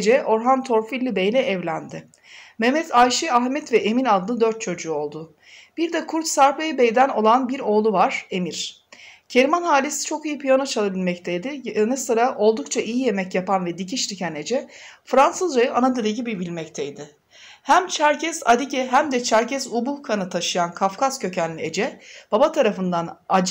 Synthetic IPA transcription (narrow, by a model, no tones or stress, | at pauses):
d͡ʒɛʔo̞ɾɦant̪ʰo̞ɾfilʲːibejlʲɛɛvlʲænd̪ɪ | mɛmɛt̪ʰajʃiaxmɛt̪vɛʔeminalˠd̪ɯnɯd̪øɾt̪̚t͡ʃʰo̞d͡ʒuːo̞lˠd̪ʊ | b̥iɾd̪ɛkʰuɾt̪saɾpajibejd̪æno̞lˠanbiɾo̞ːlˠuvaɾ̥e̞miɾ̥ | cʰeɾimanɦaːlʲesi̥t͡ʃʰo̞kijipʰijanat͡ʃʰalˠabilʲmɛct̪ʰejd̪ɪjanɯsɯɾaʔo̞lˠd̪ukt͡ʃʰaʔijije̞mɛcjapanvɛd̪icʰiʃlicʰæne̞d͡ʒɛfɾansɯzɾajɯʔanad̪ɯd̪eɟibibilʲmɛc̚t̪ʰɛjd̪ɪ | hæmt͡ʃʰæɾcɛsa̰d̪icɛɦæmd̪ɛt͡ʃʰæɾcʰɛzubuhkʰanɯt̪ʰaʃɯjankʰafkaz̥cʰø̞cænlʲie̞d͡ʒɛb̥abat̪ʰaɾafɯnd̪anad͡ʒ